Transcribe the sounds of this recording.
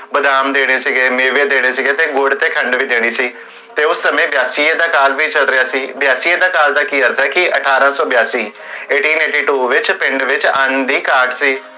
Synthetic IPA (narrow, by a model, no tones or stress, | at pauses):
bəd̪aːmd̪eːɽ̃eːsiɡeːmeːʋeːd̪eːɽ̃eːsɪɡeːt̪eːɡoːɖt̪eːkʰəɳɖʋiːd̪eːɽ̃iːsiː | t̪eːʊsːəmẽːbjaːsiːeːd̪aːkaːlʋiːt͡ʃəlɾɪjaːsiːbɪjaːsiːed̪aːkaːld̪aːkiːəɾt̪ʰɛːkɪʔəʈʰaːɾãːsɔːbɪjaːsiːeːʈiːneːʈiːʈuːʋɪt͡ʃpɪ̃ɳɖʋɪt͡ʃənd̪iːkaːɾʈsiː